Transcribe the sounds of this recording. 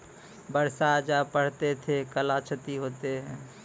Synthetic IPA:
bəɾsad͡ʒapəɽ̤t̪et̪ʰekəlat͡ʃʰət̪iɦot̪eɦɛ̃

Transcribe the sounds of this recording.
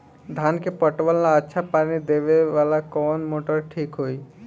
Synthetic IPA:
d̪ʱankepəʈʋəlnaətːʃʰapanid̪eʋeʋalakɔːnmoʈəɾʈʰikɦoi

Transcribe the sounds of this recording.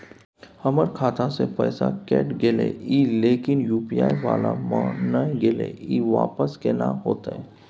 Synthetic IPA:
hɐməɾkʰaːt̪ʰasepɛːsakɛ̰ːʈɡɪlḛiːleːkɪnjuːpijaːiʋaːlamã̰nəɡɪlḛiːʋa̰ːpəskenãɦoːt̪e

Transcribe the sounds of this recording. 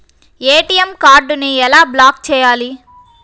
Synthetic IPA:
eːʈijemkaːɾɖuniɛlaːblaːk̚t͡ʃɛːjaːli

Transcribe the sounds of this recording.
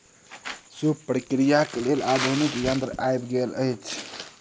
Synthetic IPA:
subpɾikɾijakelelad̪ʱunikjənt̪ɾʔajbɡelə̰jt͡ʃʰ

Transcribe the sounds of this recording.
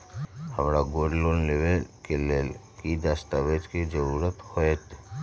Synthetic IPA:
həmɾaɡoɖlonlebelkʰelelkid̪ast̪abed͡ʒked͡ʒəɾuɾət̪hɔet̪

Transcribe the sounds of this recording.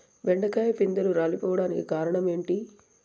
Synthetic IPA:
ʋɛɳɖɐkɐjɐpind̪ɐluɾaːlipɔːʋɐɽaːnikikaːɾɐɳɐme̞ːɳʈi

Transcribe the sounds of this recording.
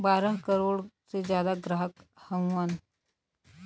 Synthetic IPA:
baɾəɦkəɾoɽt͡sed͡ʑjad̪aɡɾaɦəkhə̃wʋan

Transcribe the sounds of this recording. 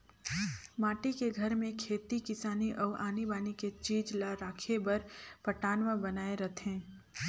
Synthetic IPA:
maːʈikeɡʱɐɾmẽkʰeːt̪ikɪsaːniʔɔːʔaːnibaːniket͡ʃiːd͡ʒlaɾaːkʰebɐɾpɐʈaːnʋəbɐnaːeɾɐt̪ɦɛ̃ː

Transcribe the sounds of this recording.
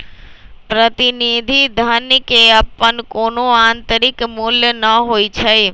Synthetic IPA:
pɾət̪inid̪ʱid̪ʱənkeəpːənkonoant̪əɾikmuljənəɦojt͡ʃʰəj

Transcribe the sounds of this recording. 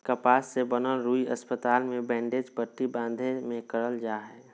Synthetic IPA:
kəpaːsːebənəlɾuːiəspət̪aːlmẽbɛ̃ːɳɖeːd͡ʒpəʈːibãːnd̪ʱemẽkəɾəld͡ʒaːɦɛː

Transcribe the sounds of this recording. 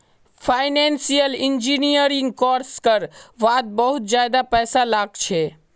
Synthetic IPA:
pʰaɪnẽnsijəlind͡ʒinijəɾiŋɡkɔɾskəɾʋaːd̪̚bəɦut̪d͡ʒjad̪apɛːsalaːɡt͡ʃʰɛ

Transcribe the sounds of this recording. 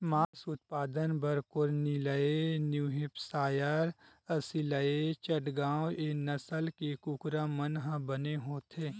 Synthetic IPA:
maːsʊt̪̚paːd̪ənbəɾkʊɾnɪləenjuːɦɪpsaːjəɾ | ɐsɪləet͡ʃəʈɡãːwenɐsəlkekukɾamənɦãbəneɦoːt̪ʰeː

